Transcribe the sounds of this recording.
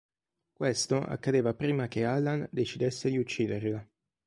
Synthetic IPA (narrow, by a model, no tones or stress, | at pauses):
kwest̪oʔa̰kːad̪eːvapɾiːmakealand̪et͡ʃid̪esːed̪iut͡ʃːiːd̪erla